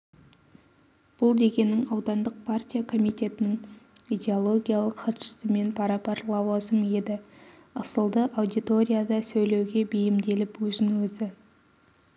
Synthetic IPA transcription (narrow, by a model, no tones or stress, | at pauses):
b̥ʊlˠd̪e̞kʲe̞nːɪŋɑwd̪ɑnd̪əq̚pʰart̪ʲijakʰo̞mijt̪e̞t̪ɪnɪŋid̪ʲe̞olˠo̞ɡʲijalˠəqχʰɑt̪ʃə̥sɪme̞npʰɑɾɑpɑɾlˠɑwɑzəmje̞d̪ɪ | əsəlˠd̪əʔawd̪it̪o̞ɾʲijad̪ɑsɵjle̞wɡʲe̞bejɪmd̪e̞lɪpwɵzɪŋwɵzɪ